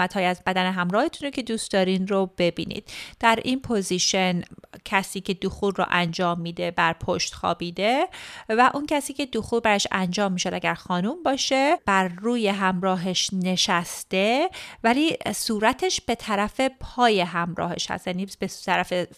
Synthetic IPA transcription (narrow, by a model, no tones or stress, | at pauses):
æt̪hɒːjiæzbæd̪æneɦæmɾɒːhe̞t̪ʰunɾocʰe̞d̪uːst̪̚d̪ɒːɾinɾobe̞bḭːnḭd̪̥d̪̥æɾʔinpʰoziʃe̞ncʰæsiːcʰe̞d̪uxuɾːo̰ʔænd͡ʒɒːmːiːd̪e̞bæɾpʰoʃt̪xɒ̰ːbiːd̪e̞væʔuncʰæsiːcʰe̞d̪uxuːɾbæɾɒʃæ̰nd͡ʒɒːmːiːʃod̪æɟæɾxɒːnumbɒːʃe̞b̥æɾːuːje̞ɦæmɾɒːɦeʃne̞ʃæst̪e̞væliːsuːɾæt̪ʰe̞ʃb̥e̞t̪ʰæɾæfe̞pʰɒːje̞ɦæmɾɒ̰ːhe̞̰ʃhæ̰st̪jæniːbet̪ʰæɾæfe